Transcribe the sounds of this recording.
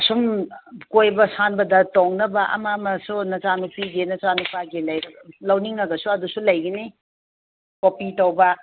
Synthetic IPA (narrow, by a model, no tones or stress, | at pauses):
ɐsumkojbɐsanbɐdɐtoŋnɐbɐʔɐ̰mamɐsunɐt͡ʃanupʰiɡinɐt͡ʃanupʰaɡilɐjɾɐlɐwniŋɐɡɐsuɐdusulɐjɡini | kopitɐwbɐ